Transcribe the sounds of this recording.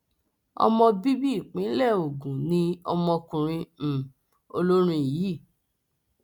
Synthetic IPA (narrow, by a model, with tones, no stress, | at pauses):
ɔ̰˧mɔ̃˧bi˦bi˦˨k͡pĩ˨˦lɛ˦˨o˨ɡũ˨nĩ˧ɔ˧mɔ̃˧kũ˨ɾ̃ĩ˧˨ | o˧lo˦ɾ̃ĩ˧˨ji˨˦˨